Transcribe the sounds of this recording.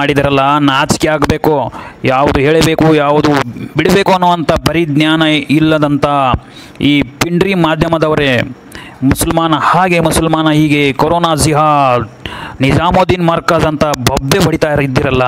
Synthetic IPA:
aːɽid̪ɐɾɐlːɐnaːt͡ʃkiaːɡbe̞ːkojaːʋud̪uɦeːɭbe̞ːkujaːʋud̪ubiɽbe̞ːkuɐnːoːʋɐnt̪ɐbɐɾid̪njaːnɐilːɐd̪ɐnt̪ɐ | iːpiɳɖɾimaːd̪ʱjɐmɐd̪ɐʋɐɾe | musɐlmaːnɐhaːɡe̞musɐlmaːnɐɦiːɡekoɾoːnaːsiɦa | nid͡ʒaːmoːd̪inmɐɾkɐzɐnt̪ɐbʱɐbʋebɐɽit̪aːjɾid̪ːiɾɐlːɐ

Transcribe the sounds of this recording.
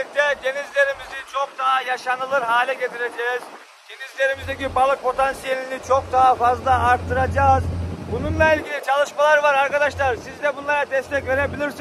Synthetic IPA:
d̪ɛɟ̪e̞nizlʲe̞ɾimizit͡ʃʰok̚d̪aɦajaʃanɯlˠɯɾɦaːlʲɛɟet̪ʰiɾe̞d͡ʒɛːz̥ | ɟ̪e̞nizlʲe̞ɾimizd̪ecibalˠɯk̚pʰo̞t̪ʰansijelʲinit͡ʃʰok̚d̪aɦafazlˠaːɾt̪ʰːɯɾad͡ʒaːzbununlˠailʲɟʲilʲit͡ʃʰalˠɯʃmalˠaɾvaɾaɾkad̪aʃlˠaɾsizd̪ɛbunlˠaɾad̪ɛst̪ʰɛcve̞ɾe̞bilʲiɾsin

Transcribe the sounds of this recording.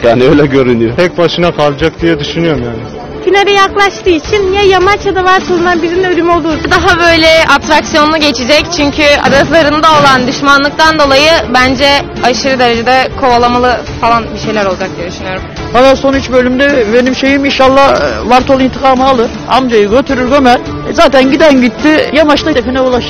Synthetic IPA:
jaːniøjlʲɛɟø̞ɾynyjot̪ʰɛc̚baʃɯnakʰalˠd͡ʒak̚d̪ijɛd̪yʃynyjo̞ɾumjaːniɪ | t̪ʰineɾɛjaklˠaʃt̪ɯːit͡ʃʰinjajamat͡ʃjad̪avaɾt̪ʰolˠunanbiɾininølymo̞lˠd̪uːɾd̪aɦabø̞jlʲɛap̚t̪ɾaksijonːuɟe̞t͡ʃʰid͡ʒɛct͡ʃʰyɲcʰya̰b̪at̪lˠaɾɯnd̪ao̞lˠand̪yʃmanlˠɯk̚t̪ʰand̪o̞lˠajɯbænd͡ʒɛ | aʃɯɾɯd̪e̞ɾed͡ʒed̪ɛkʰo̞valˠamalˠɯ | falˠanbiʃe̞jlʲæɾod͡ʒak̚ɟelʲˠyʃynyjo̞ɾum | halˠaso̞nyt͡ʃbø̞lʲymd̪ɛbe̞nimʃe̞jiminʃalˠːahvaɾt̪ʰo̞lˠint̪ʰikʰaːmɯalˠɯɾamd͡ʒajɯɟø̞t̪ʰyɾyɾɡømæɾ | ɛzaːt̪ʰænɟid̪ænɟit̪ʰːijamat͡ʃt̪ˠad̪efinɛulˠaʃ

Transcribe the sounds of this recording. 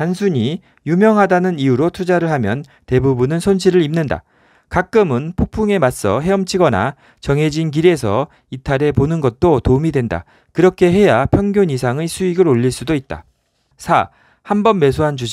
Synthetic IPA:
tans̬ʰuɲi | jumjʌŋɦadanɯniuɾotʰud͡ʑaɾɯɭhamjʌn | te̞bubunɯnsʰonɕʰiɾɯɾimnɯnda̰ | kak͈ɯmɯnpʰok̚pʰuŋe̞mas͈ʌɦe̞ʌmt͡ɕʰiɡʌna̰ | t͡ɕʌŋɦe̞d͡ʑink̬iɾe̞sʰʌ | itʰaɾe̞ponɯnɡʌt̚t͈otomidwe̞nda̰ | kɯɾʌkʰe̞ɦe̞japʰjʌŋɡjoɲis̬ʰaŋesʰuiɡɯɾoʎːiɭs͈udoit̚t͈a̰ | sʰa | hambʌnme̞sʰoɦand͡ʑud͡ʑi

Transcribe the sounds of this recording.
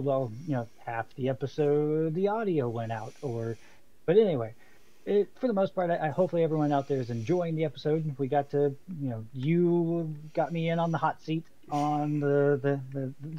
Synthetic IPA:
wɛlˠjɨnoʊhæfðiɛpɨsoʊdðiɑɾioʊwɛ̃ñaʊɾə˞ | b̥ʌɾɛniweɪ | ɪfə˞ðəmoʊspʰɑɹɾaɪʔahoʊpfl̩ˠiɛvɹiwʌ̃ñaʊt̪̚ðə˞ɨzɨ̃nd͡ʒɔɪɪ̃ŋðiɛpəsoʊd̚wiɡɑtʰɨjɨnoʊjɨ | ɡ̥ɑt̚miɪ̃nə̃nðəhɑtsiɾ | n̩ðɨðɨðɨð

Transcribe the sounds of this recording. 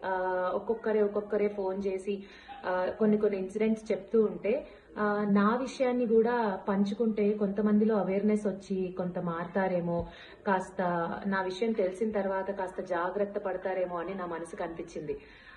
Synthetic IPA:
ɔkːɔkːɐɾe̞ːɔkɔkːɐɾe̞ːpʰo̞ːnt͡ʃe̞ːsi | ko̞nːiko̞nːiinsiɖe̞ɳʈst͡ʃe̞p̚t̪uːɳʈe̞ː | naːʋiʂɐjaːnːikuːɽaːpɐɲt͡ʃukuɳʈe̞ːko̞nt̪ɐmɐnd̪ilo̞ːɐʋeːɾnesʋɐt͡ʃːiko̞nt̪ɐmaːɾt̪aːɾe̞ːmoː | kaːst̪ɐnaːʋiʂɐjɐmt̪e̞lisinɐt̪ɐɾʋaːt̪ɐkaːst̪ɐd͡ʒaːɡɾɐt̪ːɐpɐɽɐt̪aːɾe̞ːmoːɐninaːmɐnɐsikɐnipit͡ʃːind̪i

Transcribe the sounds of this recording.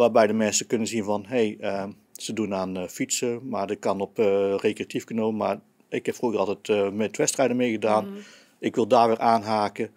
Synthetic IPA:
ʋaːbɛjdəmɛnsəkønənziənvɑnɦejə | sədunaːnfitsəmaɹdɪt̚kɑnɔprekreatʰifkənoːəmar | ɪkhɛpfruɣərɑlˠtɛtmɛtʋɛstrɛjdəmejɣədaːn | ɪkʋɪlˠdaːʋɪːrʔaːnɦaːkə

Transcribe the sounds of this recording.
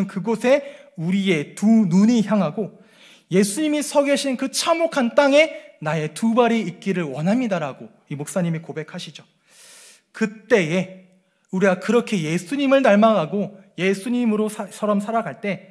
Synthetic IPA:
nkɯɡosʰe̞uɾie̞tunuɲiçjaŋɦaɡo | je̞sʰuɲimisʰʌɡeɕʰinkɯt͡ɕʰamokʰant͈aŋe̞nae̞tubaɾiik̚k͈iɾɯɭwʌnɦamɲidaɾaɡo | imok̚s͈aɲimikobe̞kʰaɕʰid͡ʑo | kɯt͈e̞e̞ | uɾiɡakɯɾʌkʰe̞je̞sʰuɲimɯɭnaɭmaɡaɡo | je̞sʰuɲimɯɾosʰʌɾʌmsʰaɾaɡaɭt͈e̞

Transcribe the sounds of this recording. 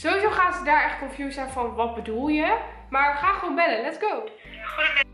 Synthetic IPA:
z̥owizoːχaːnzədaːɹɛχt̚kɔnfjusɛjnfɔnʋɔt̚bədulˠjə | maːɹəχaːχʋonmbɛlənlɛtsɡ̥ow

